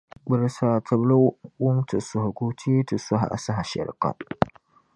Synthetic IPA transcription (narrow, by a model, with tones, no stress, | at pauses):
ɡ͡bɨ˨ɾsaː˨tʰɐ˨blo˦wʊ˦mtʰɨ˨sʊ˨hʊ˨ɡo˦tʰi˦e˦tɨ˨sʊ˦ɦa̰˨ʔa̰˨sa˦ɦa˨ʃɛ̰˨ɾka̰˨